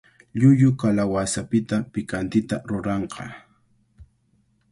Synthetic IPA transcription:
ʎʊʎʊkalawasapɪt̪apɪkant̪ɪt̪a̰ɾʊɾɑɴqɑ̰

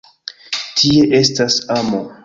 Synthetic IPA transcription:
tʰie̞ʔe̞stasamo

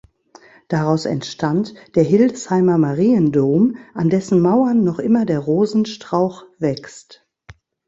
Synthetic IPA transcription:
d̥aʁaʊsɛ̰ntʃtʰantd̥eːɐɦɪldshaɪmɐmaʁiːəndoːmʔandɛsn̩maʊɐnːɔχʔɪmɐdeːɐʁoːzn̩ʃtʁ̥aʊxv̥ɛkst

